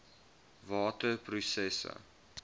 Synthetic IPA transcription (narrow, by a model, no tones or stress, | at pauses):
vɑːtəprusɛsə̰